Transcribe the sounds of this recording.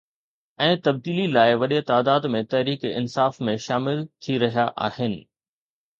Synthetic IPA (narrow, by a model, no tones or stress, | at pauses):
ɛ̃ːt̪ɐb̚d̪iːlilaːɪʋɐɗet̪aːd̪aːd̪mẽt̪ɐɦɾiːkɪ̰nsaːfmẽʃaːmɪlt̪ʰiɾɐɦijaʔa̰ːhɪnɪ̆